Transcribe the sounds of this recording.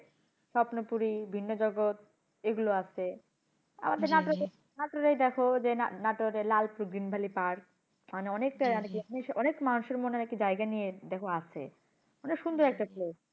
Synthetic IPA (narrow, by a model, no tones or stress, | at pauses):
ʃɔpnopuɾibʱinːod͡ʑɔɡot̪̚ | eɡuloat͡ɕʰe | a̰mad̪eɾnaʈoe | naʈɾoɾajd̪ɛkʰod͡ʑenanaʈoɾelalpɾuɡɾinbʱalipaɾk | aneɔnek̚ʈaanekieʃɔnekmanuʃeɾmonenekʈid͡ʑaeɡanijed̪ɛkʰoat͡ɕʰḛ | ɔnekʃund̪ʱoɾɛk̚ʈaples